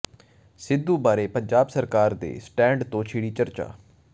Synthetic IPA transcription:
sɪd̪ːuːbaːɾeːpəɲd͡ʒaːbsəɾkaːɾd̪ḛːsʈɛ̃ːɳɖt̪õːt͡ʃʰiːɽiːt͡ʃəɾt͡ʃa̰ː

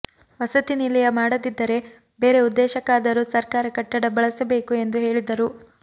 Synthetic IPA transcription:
ʋɐsɐt̪inilɐjɐmaːɽɐd̪id̪ːɐɾe̞ | be̞ːɾe̞ud̪ːɛːʃɐkaːd̪ɐɾusɐɾkaːɾɐkɐʈːɐɽɐbɐɭɐsɐbe̞ːkue̞nd̪uɦe̞ːɭid̪ɐɾu

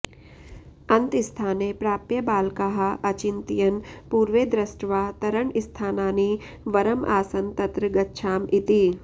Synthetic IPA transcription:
ɐ̃nt̪ɪst̪ʰaːnepɾaːpjɐbaːlkɐɦaʔɐt͡ʃɪnt̪ijɐnpuːɾʋeːd̪ɾɐsʈʋaːt̪ɐɾəɳɪst̪ʰaːnaːniː | ʋɐɾɐmʔaːsɐnt̪ɐt̪ɾəɡɐtːʃʰaːmɪt̪iː

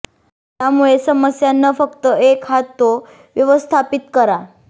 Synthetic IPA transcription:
t̪jamuɭesəməsjanːəfəkt̪əekɦat̪ːo | ʋjəʋəst̪ʰapit̪kəɾa

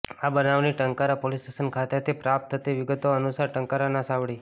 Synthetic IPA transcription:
abənaʋniʈəŋkaɾapolisʈesənkʰat̪at̪ʰipɾap̚t̪ʰːət̪iʋɪɡət̪oənusaɾʈəŋkaɾanasaʋɭi

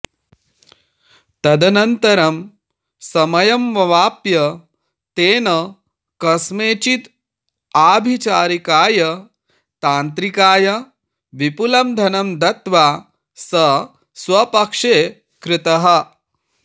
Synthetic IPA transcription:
t̪ɐd̪ɐnɐnt̪ɐɾɐm | sɐmɐjɐmʋɐʋaːpjɐ | t̪eːnɐ | kɐsmeːt͡ʃit̪ | aːbʱit͡ʃaːɾikaːjɐ | t̪aːnt̪ɾikaːjɐ | ʋipulɐmd̪ʱɐnɐmd̪ɐt̪ʋaː | sɐ | swʋɐpɐkʂeː | kɾɪt̪ɐɦɐ̆

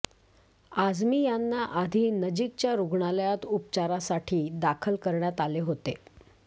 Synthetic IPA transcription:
ad͡zmiːjanːaʔad̪ʱiːnəd͡ʑik̚t͡ɕjaɾuɡɳaljat̪up̚t͡ɕaɾasaʈʰiːd̪akʰəlkəɾɳjat̪aleɦot̪e

